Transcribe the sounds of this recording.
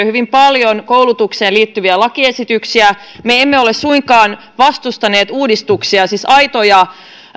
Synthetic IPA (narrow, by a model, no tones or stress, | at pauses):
hyʋimpɑljonkowlut̪ukse̞ːliːt̪ːyʋiælɑkie̞sit̪yksiæ | meemːeo̞lessuiŋkɑːn | ʋɑst̪ust̪ɑne̞ːt̪uːdist̪uksiɑsisɑjt̪ojɑ